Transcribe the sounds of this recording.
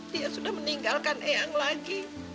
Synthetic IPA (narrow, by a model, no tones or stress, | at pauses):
diasudahməniŋɡalkanʔeaŋlaɡi